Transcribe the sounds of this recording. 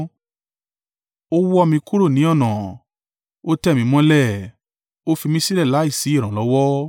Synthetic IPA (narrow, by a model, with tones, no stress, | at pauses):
o˦wɔ˧mĩ˧ku˦ɾo˦˨nĩ˨˦ɔ˦˨nã˨ | o˦tɛ˦˨mĩ˧mɔ̃˦lɛ˦˨ | o˦fi˧mĩ˦si˦lɛ˦˨la˨˦i˦˨si˨˦˨ɾ̃ã˨lɔ˨˦wɔ˦